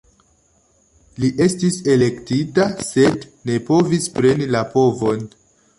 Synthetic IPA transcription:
liʔe̞stise̞le̞ktitase̞dne̞po̞vispɾe̞nilapo̞vo̞n

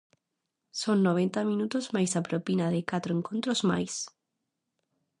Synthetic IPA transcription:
sonːoβ̞ent̪amĩnut̪ozmajsapɾopinaðekat̪ɾoeŋkõnt̪ɾozma̰js

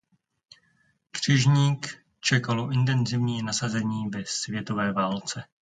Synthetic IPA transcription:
kr̝̥ɪʒɲiːk | t͡ʃɛkaloʔɪnt̪ɛnzɪvɲiːnasazɛɲiːvɛsvjɛt̪o̞vɛːvaːlt͡sɛ

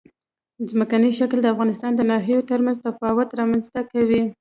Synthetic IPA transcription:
zməkanəʃakld̪əafɣɑnɪst̪ɑnd̪ənɑɦijot̪əɾmanzt̪afɑwʊt̪ɾɑmanzt̪akawi

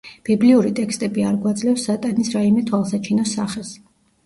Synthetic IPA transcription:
b̥ibliuɾit̪ʼɛkst̪ʼɛbiaɾɡwad̪zlɛfsːat̪ʼanisɾaimɛt̪ʰwalˠsat͡ʃʰinɔsaχɛs

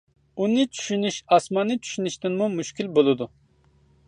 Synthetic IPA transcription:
unɨt͡ʃʰy̥ʃynyʃɑsmɑnːɨt͡ʃʰy̥ʃynyʃt̪ɪnmumuʃkʲilbolˠɨd̪u

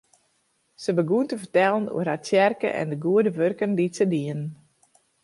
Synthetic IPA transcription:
səbəɡuəntəfərtɛlˠənṵərhɦat͡sjɛrkə̰ʔɛ̰ndəɡuədəʋørkəndisədiən

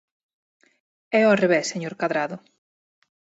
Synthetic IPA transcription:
ɛoɔareβesːeɲoɾkaðɾaðʊ

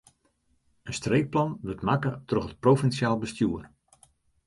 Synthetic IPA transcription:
ənstreːk̚plɑnʋətmakətroxət̚profɛnsjaːlˠbəstjuːər

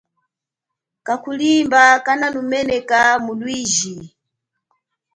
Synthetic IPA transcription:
kakulimbakananumɛnɛkamulwiːʒi

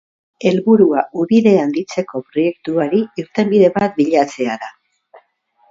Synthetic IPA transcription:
e̞lβuɾuaʔuβiðe̞and̪it͡se̞ko̞pɾo̞je̞k̚t̪uaɾiiɾt̪e̞mbiðe̞βat̪̚biʎat͡se̞aða

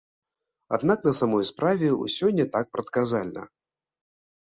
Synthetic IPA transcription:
a̰d̪naknɐsamɔjspɾʔavʲɛṵsʲɔnʲːɐt̪ak̚pɾɐt̪kazalʲnɐ̰

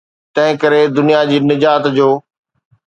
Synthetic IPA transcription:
t̪ɐ̃ɦɪ̃kɐɾed̪ʊnijad͡ʑiːnɪd͡ʑaːt̪d͡ʑoː

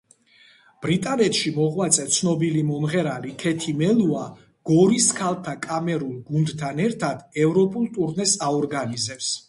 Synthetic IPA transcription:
b̥ɾit̪ʼanɛt̪ʰʃimɔʁwat̪sʼɛt̪sʰnɔbilimɔmʁɛɾalikʰɛt̪ʰimɛlua | ɡ̥ɔɾiskʰalˠt̪ʰakʼamɛɾulˠɡund̪t̪ʰanɛɾt̪ʰad̪ɛvɾɔpʼulˠt̪ʼuɾnɛsaɔɾɡanizɛps

